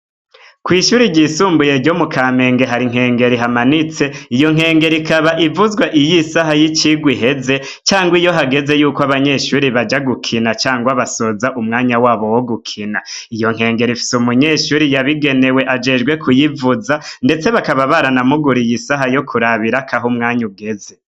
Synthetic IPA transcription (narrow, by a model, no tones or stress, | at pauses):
kwiːʃuːɾiɟisuːmbuje̞ɾɟomukaːme̞ːŋɡe̞ɦaɾiŋ̥he̞ːŋɡe̞ɾiɦamanit͡se̞ijo̞ŋ̥e̞ːŋɡe̞ɾikaβaʔivuzɡwaʔijisaɦajit͡ʃiɡwiɦe̞ze̞ | t͡ʃaːŋɡwijo̞ɦaɡe̞ze̞juːkoaβaɲe̞ʃuɾiβad͡ʒaɡukʰinat͡ʃaːŋɡwaβaso̞zaʔumŋaːɲawaːβo̞woɡukʰina | ijo̞ŋ̥he̞ːŋɡe̞ɾifi̥sumuɲe̞ːʃuɾijaβiɡe̞ne̞we̞ʔad͡ʒe̞ːd͡ʒɡwe̞kʰujivuzande̞t͡se̞βakaβaβaɾanamuɡuɾijisaɦajo̞kʰuɾaβiɾakaɦumŋaːɲuɡe̞ze̞